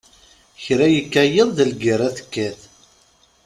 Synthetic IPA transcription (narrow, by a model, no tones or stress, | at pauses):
çɾæjəkːæjəðˤðəlɡəɾaθə̥kːæθ